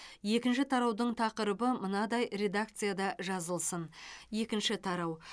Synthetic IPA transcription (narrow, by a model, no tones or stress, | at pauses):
je̞kʲɪnʃɪt̪ʰɑɾɑwd̪əɴt̪ʰɑqəɾəbəmənɑd̪ɑjɾe̞d̪ak̚t̪sɨjad̪ɑʒɑzəlˠsənje̞kʲɪnʃɪt̪ʰɑɾɑw